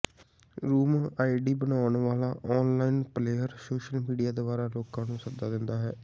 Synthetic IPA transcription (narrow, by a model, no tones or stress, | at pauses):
ɾuːmaːiɖiːbənaːɳʋaːlaːʔɔːnlaːinpleːəɾsoːʃəlmiːɖijaːd̪oːbaːɾaːloːkãːnũːsəd̪aːd̪ɪnd̪aːɦɛː